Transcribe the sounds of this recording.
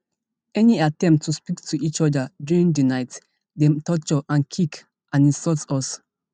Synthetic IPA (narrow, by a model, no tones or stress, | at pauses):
ɛniatɛ̃mp̚tʰːuspiktʰuit͡ʃɔdədjuɹĩŋdənaɪt | dɛmtʰɔt͡ʃɔʔãnkʰik | ʔãnĩsɔltɔs